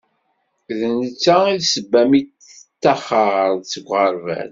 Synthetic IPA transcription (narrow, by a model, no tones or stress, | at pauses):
ðənt͡sːaiðsəbːæmi | t̪ːaχɑɾˤðt͡sːəɡʷʁəɾˤvæ̰n